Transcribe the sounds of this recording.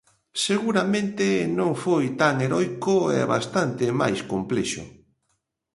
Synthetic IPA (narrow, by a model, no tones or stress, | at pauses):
seɣuɾamẽnt̪ɪnõŋfojt̪aŋeɾɔjkoɛ̰βa̰st̪ant̪ɪma̰jskomplɛʃʊ̰